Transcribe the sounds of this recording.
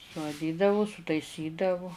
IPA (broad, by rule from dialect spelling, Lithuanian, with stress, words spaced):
sʊɐˈdʲiːdɐʋʊ sʊtɐɪˈsʲiːdɐʋʊ